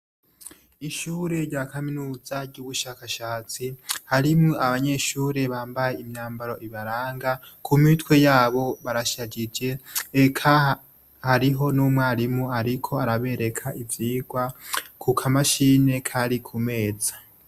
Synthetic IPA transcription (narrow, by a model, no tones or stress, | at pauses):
iʃuːɾe̞ɾɟaːkaminuːz̥aɾɟuːβuʃaːkaʃaːt͡sihaɾimŋo̞ʔaβaɲe̞ʃuːɾe̞βaːmbaje̞imɲaːmbaɾo̞ʔiβaɾaːŋɡa | kʰumitwe̞jaːβo̞βaɾaʃaɟid͡ʒe̞ːkʰa | haɾiɦo̞nuːmwaːɾimuaɾikʰo̞aɾaβe̞ɾe̞kʰaʔivjiːɡwakʰukʰamaʃiːne̞kʰaɾikʰume̞ːzḁ